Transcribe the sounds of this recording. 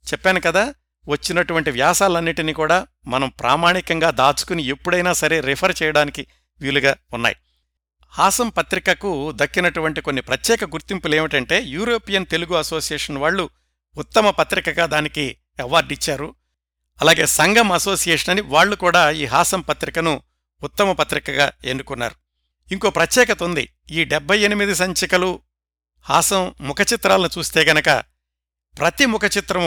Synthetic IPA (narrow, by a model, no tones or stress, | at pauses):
t͡ʃɛpːaːnukɐd̪aː | ʋɐt͡ʃːinɐʈuʋɐɳʈiʋjaːsaːlɐnːiʈinikuːɽaː | mɐnɐmpɾʔa̰ːmaːɳikɐŋɡaːd̪aːt͡ʃu̥kuniepːuɽɐjnaːsɐɾe̞ːɾipʰɐɾt͡ʃɛːjɐɽaːniki | ʋjuːluɡaːunːa̰ːji | haːsɐmpɐt̪ɾikɐkud̪ɐkːinɐʈuʋɐɳʈiko̞nːipɾɐt̪jɛːkɐɡuɾt̪impuleːmʋiʈɐɳʈe̞ːjuːɾo̞ːpijɐnt̪e̞luɡuɐso̞ːsijeːʂɐnʋaːɭːuː | t̪ːɐmɐpɐt̪ɾikɐɡaːd̪aːniki | ɛʋaːɾɖit͡ʃːaːɾu | ɐlaːɡe̞ːsɐŋɡɐmɐso̞ːsijeːʂɐnɐniʋaːɭːukuːɽaːiːɦaːsɐmpɐt̪ɾikɐnuː | t̪ːɐmɐpɐt̪ɾikɐɡaːenːukunːa̰ːɾu | iŋko̞ːpɾɐt̪jɛːkɐt̪ond̪ḭ | iːɖɛbʱːɐje̞nimid̪is̬ɐɲt͡ʃɐkɐlu | haːsɐmːukɐt͡ʃit̪ɾaːlɐnut͡ʃuːst̪e̞ːɡɐnɐkɐ̰ | pɾɐt̪imukɐt͡ʃit̪ɾɐm